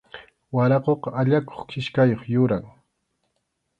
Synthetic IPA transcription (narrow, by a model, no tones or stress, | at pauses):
waɾɑqoqɑaʎako̥χkʰɪʃkajoχjʊɾaŋ